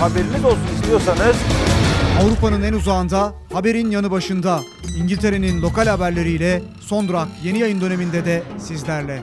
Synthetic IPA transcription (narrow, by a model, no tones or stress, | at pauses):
habeɾinid̪o̞st̪unizlʲijo̞ɾsanɯz̥ | avɾupanɯnænuzaːnd̪a | habe̞ɾinjanɯbaʃɯnd̪a | iɲɟilʲt̪ʰe̞ɾe̞ninlʲˠo̞kalʲhabæɾlʲe̞ɾijlʲɛ | so̞nd̪ɾakje̞nijajɯnd̪ø̞ne̞mind̪ɛd̪ɛsizlʲæɾlʲɛ